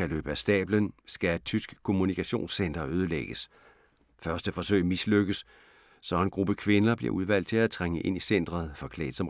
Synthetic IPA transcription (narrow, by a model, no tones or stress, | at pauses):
ælø̰ːb̥əæsd̥ɛ̰ːb̥lənsɡ̥æed̥̚t͡sʰysɡ̥kʰo̝munikʰæɕo̝̰ːnsːen̰d̥ɐøːð̞ˠəleɡ̥əs | fɶɐsd̥əfɒ̽sø̰ɪmisløɡ̥əsː | ɒ̽e̝nɡ̥ʁub̥əkʰʋe̝nɐb̥liɐuð̞ˠʋæl̰d̥̚t͡sʰe̝læt͡sʰʁaŋəʔe̝n̰isen̰d̥ʁɐð̩ˠfɒ̽kʰlɛ̰ːd̥ˠsɒ̽m